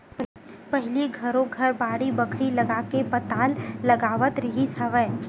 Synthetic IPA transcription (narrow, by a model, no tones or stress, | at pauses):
pɐɦliɡʱɐɾõɡʱɐɾbaːɽibɐkʰɽilɐɡaːkepɐt̪aːlːɐɡaːʋət̪ɾɐɦisɐʋɛː